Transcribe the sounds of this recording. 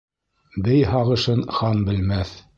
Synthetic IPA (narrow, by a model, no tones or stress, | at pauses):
bɘjɦɑʁɤ̆ʃɤnχɑmbɘ̆lmæθ